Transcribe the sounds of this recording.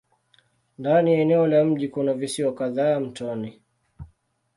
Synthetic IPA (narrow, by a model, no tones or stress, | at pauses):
ndanijaɛnɛɔlam̩ʄikunavisiɔkaðaːam̩tɔni